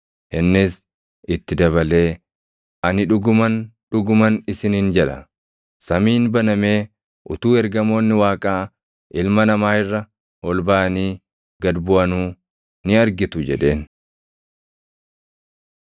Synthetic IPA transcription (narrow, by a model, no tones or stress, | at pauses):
hɛnːɪs | ɪt̪ːɪd̪ɐβɐle̞ː | ʔɐnɪᶑʊɡʊmɐnᶑʊɡʊmɐnɪsɪniːnd͡ʒɛᶑɐ̰ | sɐmiːnbɐnɐme̞ː | ʔʊt̪uːɛɾɡɐmo̞ːnːɪwaːkʼaː | ʔɪlmɐnɐmaːhɪrːɐ | wɔlbaːʔɐniː | ɡɐd̪bʊʔɐnuː | nɪɐɾɡɪt̪ʊd͡ʒɛᶑe̞ːn